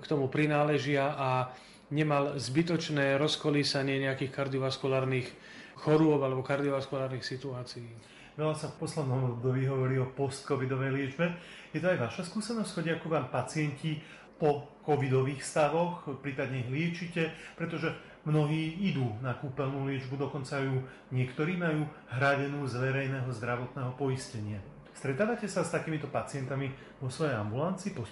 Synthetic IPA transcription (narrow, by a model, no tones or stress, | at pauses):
kt̪ɔmupɾinaːlɛʒɪaʔa | ɲɛmalzbit̪ɔt͡ʃnɛːɾɔskɔliːsaɲɪɛɲɛakiːxkaɾd̪ɪɔʋaskulaːɾniːx | xɔɾʊɔbalɛbɔkaɾd̪ɪɔʋaskulaːɾniːxsit̪uaːt͡sijː | ʋɛlasafpɔslɛd̪nɔmɔbd̪ɔbiːɦɔʋɔɾiːɔpɔst̪̚kɔʋid̪ɔʋɛjlɪɛd͡ʒbɛ | jɛt̪ɔajʋaʃaskuːsɛnɔstcxɔɟɛakuʋaːmpat͡sɪɛnci | pɔkɔʋid̪ɔʋiːxst̪aʋɔxpɾiːpad̪ɲɛɦlɪɛt͡ʃicɛpɾɛt̪ɔʒɛ | mnɔɦiːid̪uːnakuːpɛlnuːlɪɛd͡ʒbud̪ɔkɔnt͡sajuː | ɲɪɛkt̪ɔɾiːmajuː | ɦɾaɟɛnuːzʋɛɾɛjnɛːɦɔzd̪ɾaʋɔt̪nɛːɦɔpɔiscɛɲɪa | st̪ɾɛt̪aːʋacɛsast̪akiːmit̪ɔpat͡sɪɛnt̪ami | ʋɔsʋɔjɛja̰mbulant͡siːpɔ